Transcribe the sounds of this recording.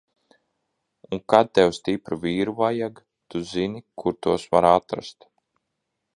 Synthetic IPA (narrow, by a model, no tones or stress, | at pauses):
uŋkad̪̚t̪ɛwst̪ipɾuviːɾuvajaɡ | t̪uzinikuɾt̪uɔsvaɾat̪ɾa̰st̪